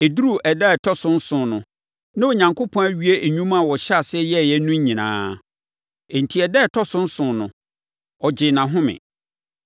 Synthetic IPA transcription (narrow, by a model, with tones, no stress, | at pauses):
e˨du˦ɾu˦˨ʔɛ˨dɛ˦˨tʰɔ˦sʊ̃˦n̩˦sʊ̃˨nʊ̃˨ | nã˦o˨ɲã˨ŋkʰo˦pʰɔ̃˦æ˦ɥi˦e˦e˨ɲũ˦mã˦˨wɔ˨ɕa˨sɛ˦jɛ˦˨jɛ˦nũ˦ɲ˦ɲĩ˨nã̰ː˦ | e˨n̩˨tʰi˨ɛ˨dɛ˦˨tʰɔ˦sʊ̃˦n̩˦sʊ̃˨nʊ̃˨ | ɔ˨d͡ʑɪ˨nã˨ɦʊ̃˦mɪ̰̃˨